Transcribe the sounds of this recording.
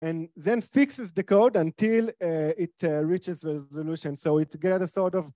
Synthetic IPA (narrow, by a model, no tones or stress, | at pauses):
ɛ̃nðɛ̃nfiksɛzd̪əkoʊdãntilitɹit͡ʃɛzɹɛzoluʃɔ̃nsoʊitɡɛtəsɔtɔv